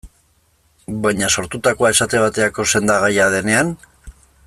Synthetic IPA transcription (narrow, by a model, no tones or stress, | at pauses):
bajɲaso̞ɾt̪ut̪ako̞ae̞sat̪e̞β̞at̪e̞ako̞se̞nd̪aɣ̞ajaðe̞ne̞an